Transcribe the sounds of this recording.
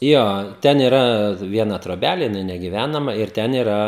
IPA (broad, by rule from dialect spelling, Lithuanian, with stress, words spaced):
ˈjoː ˈtʲɛn ɪˈrɐ ˈʋʲiɛnɐ troːˈbʲælʲeː jɪˈnɐɪ nʲɛɡʲɪˈʋʲænɐmɐ ɪr ˈtʲɛn ɪˈrɐ